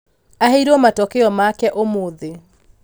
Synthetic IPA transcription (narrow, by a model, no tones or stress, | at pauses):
aɦeɾɔmatɔkeɔmakɛʔomoðe